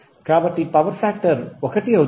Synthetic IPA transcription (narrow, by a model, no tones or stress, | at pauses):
kɾaːbɐʈːipɐʋɐɾfaːk̚ʈɐɾʋɔkɐʈːiɐɯ